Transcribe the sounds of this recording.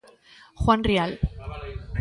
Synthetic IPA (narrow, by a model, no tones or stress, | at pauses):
xwanrial